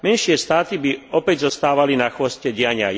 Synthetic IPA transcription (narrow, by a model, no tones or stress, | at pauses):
mɛnʃɪɛst̪aːt̪ibiɔpɛɟzɔst̪aːʋalinaxʋɔscɛɟɪaɲɪa